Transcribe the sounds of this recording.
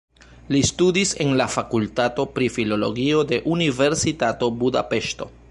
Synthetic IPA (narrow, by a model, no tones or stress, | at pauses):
listudise̞nlafakultato̞pɾifilo̞lo̞̰ɡio̞de̞ʔunive̞ɾsitato̞buda̰pe̞ʃto̞̰